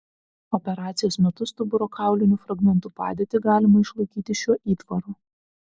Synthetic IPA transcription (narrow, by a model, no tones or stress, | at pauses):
ɔpʲɛɾɑːt̪sʲɪjoːsmʲɛt̪ʊst̪ʊbʊɾoːkʰɑˑʊlʲɪnʲuːfɾɐɡmʲɛnt̪uːpɑ̰ːd̪ʲeːt̪ʲɪɡɑːlʲɪmɐɪʃlˠɐɪkʲiːt̪ʲɪʃʲuɔʔiːt̪ʋɐɾuː